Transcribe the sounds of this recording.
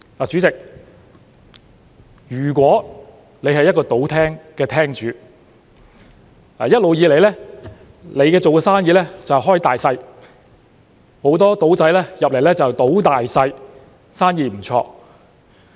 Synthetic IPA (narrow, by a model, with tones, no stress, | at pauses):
aː˨t͡ʃyː˨˥t͡sɪ˨k̚ | jyː˨˩k̬wɔː˨˥ | le˨˧jhɐ˨jːɐ˥t̚kɔː˧t̪o˨˥wt̪ʰɛː˥ŋkɛː˧t̪ʰɛː˥ŋt͡ʃyː˨˧ | la̰ː˨˩jɐ˥t̚lo˨wjiː˧le˨˩jlɛː˥ | le˨˧jkɛː˧t͡so˨wkɛː˧saː˥njiː˧˥lɛː˥t͡sɐ˨wɦɔː˥jt̪aː˨jsɐ˧j | ho˨˥wt̪ɔː˥t̪o˨˥wt͡sɐ˨˥jlɛː˥jɐ˨p̚le˨˩jlɛː˥t͡sɐ˨t̪o˨˥wt̪aː˨jsɐ˧j | saː˥njiː˧m̩˨˩t͡ʃʰɔ̰ː˧